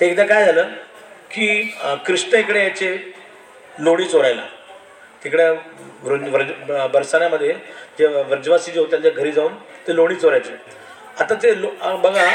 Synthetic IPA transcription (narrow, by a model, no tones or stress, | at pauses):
t̪eːkd̪akajd͡zʱaləː | kikɾiʂʈəekɽeat͡ɕe | loɽ̃iːt͡soɾajla̰ | t̪ekɽjaʋɾunʋəɾd͡ʑbəɾsaɽ̃jaməd̪ʱːjed͡ʑeʋəɾd͡ʑʋasiːd͡ʑeɦot̪jant͡ɕaɡʱəɾiːd͡zauːnt̪eloɽ̃iːt͡soɾajt͡se | at̪ãt̪elobəɡʱa